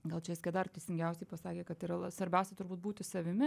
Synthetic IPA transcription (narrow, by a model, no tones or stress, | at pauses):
ɡɐlˠt͡ʃʲɛʋɪsʲkʲed̪ɐrt̪ʲɛɪsʲɪŋʲɡʲɛʊsʲɛɪpɐsɑːkʲeːkɐt̪iɾɐɐsʋɐɾʲbʲɛˑʊsʲɛt̪ʊɾbuːt̪̚buːt̪ʲɪsɐʋʲɪmʲɪ